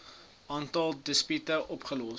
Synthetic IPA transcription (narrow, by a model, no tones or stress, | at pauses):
ʔɑːntɐlˠdəspytəʔɔpχəlɔ